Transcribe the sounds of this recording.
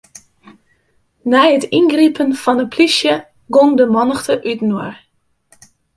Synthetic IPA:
nɛjətʰinɡripʰənfɔnəpʰlisjə | ɡoŋdəmɔnəxtʰəʔytnwər

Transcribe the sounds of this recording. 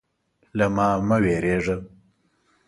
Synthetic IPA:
lamɑːmaweɾeːʐə

